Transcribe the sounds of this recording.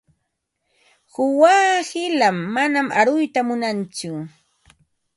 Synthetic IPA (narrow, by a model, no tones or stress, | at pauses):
hʊwaːhɪlamːanamʔaɾʊjt̪amʊnant͡sʊ